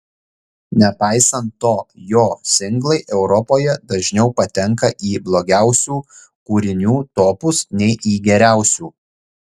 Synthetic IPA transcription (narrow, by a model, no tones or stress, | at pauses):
nʲɛpɑˑɪsɐnt̪ːoːjoːsʲɪŋɡlˠɐɪʔɛʊɾɔpoːjɛd̪ɐʒʲnʲɛʊpɐt̪ʲɛŋkɐʔiːblˠoːɡʲæˑʊsʲuː | kuːɾʲɪnʲuːt̪oːpʊsnʲɛɪʔiːɡʲɛɾʲæˑʊsʲuː